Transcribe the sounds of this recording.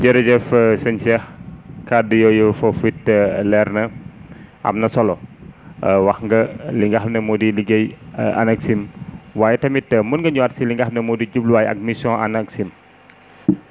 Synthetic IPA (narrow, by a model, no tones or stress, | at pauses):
d͡ʒɛɾɛd͡ʒɛfsɐnsɛhkadijojofofitəlɛɾnɐ | ʔɐ̰mnɐsɔlɔ | wɐxŋɡɐliŋɡaxmnɐmudiliɡejɐ̰nɐksimwaːjɛtɐmitːɐmunɡɐɲuatsiliŋɡahmnɐmudiɟub̚luwaːjɐ̰k̚misɔ̃ʔanɐksim